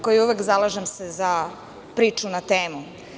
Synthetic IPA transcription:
kojiuʋekzalˠaʒemseza | pɾiːt͡ʃunat̪eːmu

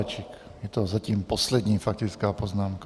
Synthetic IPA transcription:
t͡ʃik | jɛt̪ɔzaciːmpɔslɛd̪ɲiːfak̚t̪ɪt͡skaːpɔznaːmka

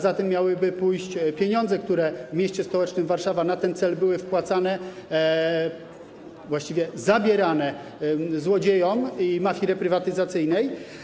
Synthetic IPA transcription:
zat̪ɛmːʲjawɘbɘpujɕt͡ɕpʲjeɲɔnzɛkt̪uɾɛvmʲjeɕt͡ɕɛspɔwɛt͡ʂnɘmvaɾʂavanat̪ɛnt̪sɛlbɘwɘfpwat̪sanɛ | vwaɕt͡ɕivʲjɛzabʲjɛɾanɛ | zwɔd͡ʑejɔmimafʲiɾɛpɾɘvat̪ɘzat̪sɘjnɛj

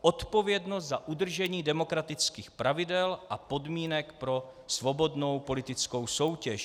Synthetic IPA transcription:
ʔot̪po̞vjɛdnost̪zaʔudr̩ʒɛɲiːdɛmo̞kɾat̪ɪt͡skiːxpɾʔavɪdɛlʔapo̞dmiːnɛkpɾo̞svo̞bo̞dno̞wpo̞lɪt̪ɪt͡sko̞wso̞wcɛʃ

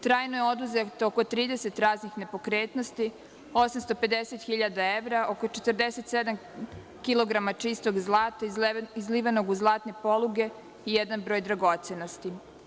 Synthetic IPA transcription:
t̪ɾaːjnojeo̞d̪uzet̪ooko̞t̪ɾiːd̪ese̞t̪ɾaːznixne̞po̞kɾeːt̪nost̪i | o̞samst̪o̞pe̞d̪eset̪xiʎad̪aeʋɾaʔo̞kot͡ʃet̪əɾd̪eset̪sed̪am | kilo̞ɡɾamat͡ʂist̪o̞ɡzlˠaːt̪aizliːʋano̞ɡuzlˠaːt̪ne̞po̞lˠuɡe̞ | ijɛd̪anbɾo̞ːjd̪ɾaɡo̞t̪se̞no̞st̪i

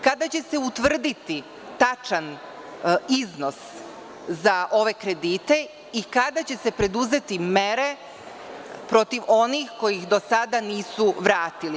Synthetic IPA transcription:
kad̪at͡ɕe̞se̞ut̪ʋr̩d̪it̪i | t̪at͡ʃan | izno̞s | zaʔo̞ʋe̞kɾe̞d̪iːt̪e̞ | ikad̪at͡ɕe̞se̞pɾe̞d̪uze̞t̪ime̞ɾe̞ | pɾo̞t̪iʋʔo̞nixko̞jixd̪o̞sad̪aniːsuʋɾaːt̪ili

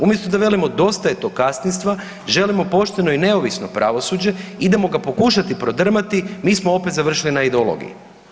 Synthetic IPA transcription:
umjest̪od̪aʋe̞limo̞d̪o̞st̪ajet̪o̞kast̪ninst̪ʋa | ʒe̞limo̞po̞ʃt̪e̞no̞ine̞oʋisno̞pɾʔa̰ʋo̞suːd͡ʑe̞id̪emo̞ɡapo̞kuʃat̪ipɾo̞d̪r̩mat̪imiːsmoo̞pet̪zaʋr̩ʃilinaid̪eolˠo̞̰ɡḭjḭ

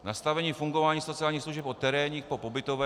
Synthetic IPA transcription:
nast̪avɛɲiːfuŋɡovaːɲiːsot͡sɪaːlɲiːxsluʒɛpʔo̞t̪ɛɾɛːɲiːxpo̞po̞bɪt̪ovɛː

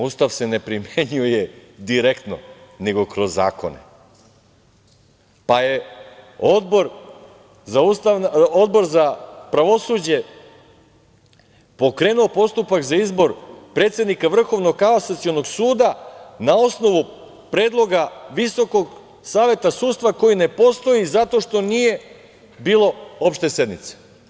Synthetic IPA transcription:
uːst̪aʋse̞nepɾimjeɲuje̞d̪iɾekt̪no̞̰neɡo̞kɾo̞zːa̰ːko̞̰nḛ | paje̞ | o̞d̪boɾ | zaust̪ao̞d̪bo̞ɾzapɾaʋo̞suːd͡ʑe̞ | po̞kɾe̞ːnuo̞po̞st̪upakzaizbo̞ɾpɾe̞ːt̪se̞d̪nikaʋr̩xo̞ʋno̞ɡkaosat̪sio̞no̞ɡsuːd̪anao̞sno̞ʋu | pɾe̞ːd̪lˠo̞ɡaʋiso̞ko̞ɡ | saːʋe̞t̪asuːd̪st̪ʋako̞jine̞po̞st̪o̞jizat̪o̞ʃt̪o̞nije̞ | biːlˠo̞o̞pʃt̪e̞se̞d̪nḭt̪se̥

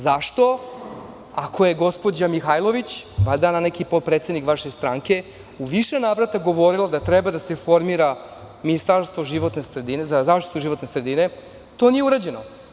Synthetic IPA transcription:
zaʃt̪o̞ | akʰoje̞ɡo̞spo̞d͡ʑamixajlˠo̞ʋit͡ɕbad̪ananekipot̪̚pɾet̪sed̪nikʋaʃest̪ɾaŋke̞ | uʋiʃe̞naːʋɾat̪aɡo̞ʋo̞ɾilˠad̪at̪ɾebad̪ase̞fo̞ɾmiɾa | minist̪aɾst̪ʋo̞ʒiʋo̞t̪ne̞sɾed̪inezazaːʃt̪i̥t̪uʒiʋo̞t̪ne̞sɾed̪ine̞ | t̪o̞nije̞uɾad͡ʑe̞no

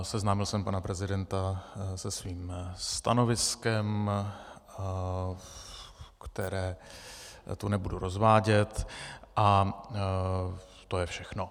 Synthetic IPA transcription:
sɛznaːmɪlsɛmpanapɾɛzɪdɛnt̪asɛsviːmst̪a̰no̞vɪskɛm | kt̪ɛɾɛː | t̪unɛbuduɾozvaːɟɛt̪ʔa | t̪ojɛfʃɛxno̞

